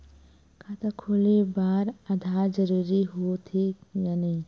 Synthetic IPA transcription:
kʰat̪akʰoːlibaːɾɐd̪ʱaːd͡ʒəɾiːɾiɦot̪ʰijaːni

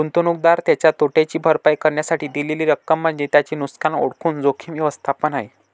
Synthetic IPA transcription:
unt̪onuk̚d̪aɾt̪jat͡ɕjat̪oʈat͡ɕiːbʱəɾpajkəɾɳjasaʈiːd̪ileliːɾəkːəm̤ːəɳd͡ʑet̪jat͡ɕiːnuskano̰ɽkʰuːnd͡zokʰiːmʋjəʋəst̪ʰapənaɦe

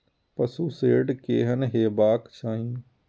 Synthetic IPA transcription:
pəsuːseːɖkeːɦənɦeːbaːkt͡ʃʰaːɦĩː

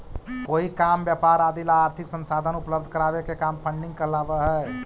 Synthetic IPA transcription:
koikambjɛpaɾad̪ilaːɾt̪ʰiksənsad̪ʱənupləbd̪ʱkəɾabekekampʰə̃ɳɖiŋɡkəlabəɦɛ

